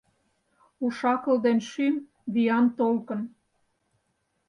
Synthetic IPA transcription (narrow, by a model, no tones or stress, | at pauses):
uʃɑkɤ̆ld̪enʃym | βijɑnt̪olkɤ̆n